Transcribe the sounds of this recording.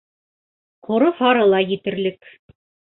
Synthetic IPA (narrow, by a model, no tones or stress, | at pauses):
qʰŏɾɤhɑɾɤlˠɑjɘ̆t̪ɘ̆ɾlɘk